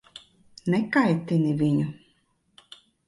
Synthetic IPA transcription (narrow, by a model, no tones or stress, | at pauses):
nɛkajt̪ʲinivʲiɲu